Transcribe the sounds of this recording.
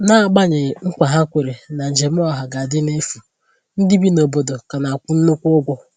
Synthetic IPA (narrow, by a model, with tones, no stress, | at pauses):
na˦a˨ɡ͡ba˦ɲɪ˨ŋ̩˦kʷa˨ɦa˦kʷe˨ɾe˨na˨n̩˨d͡ʒe˨m̩˦ɔ˦ɦa˨ɡa˨dɪ˦n˦e˦fu˨ | n̩˦di˦bi˦no˨bo˨do˨ka˨na˨kʷʊ˦n̩˦nʊ˦kʷʊ˦ɡʷɔ˦